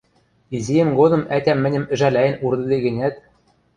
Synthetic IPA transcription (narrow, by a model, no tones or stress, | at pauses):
izijɘ̆mɡod̪ɤ̆mæt̪ʲæmːɘ̆nʲɘ̆mɘ̆ʒælʲæjɘ̆nuɾd̪ɤ̆d̪eɡɘ̆nʲæt̪